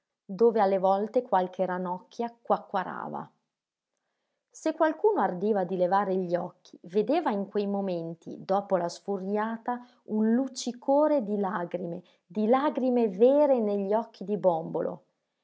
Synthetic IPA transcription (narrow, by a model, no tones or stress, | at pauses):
d̪oːvealːevɔlt̪ekwalkʰeɾanɔkʰːjakwakːwaɾa̰ːva̰ | sekːwalkuːnoard̪iːvad̪ilevaːɾeʎːiɔkʰːi̥ved̪eːvaiŋkwejmoment̪ḭd̪ɔːpolasfurjaːt̪a | unlut͡ʃːikoːɾed̪ilaːɡɾime | d̪ilaːɡɾimevɛeːɾeneʎːiɔkːid̪ibɔmbolo̰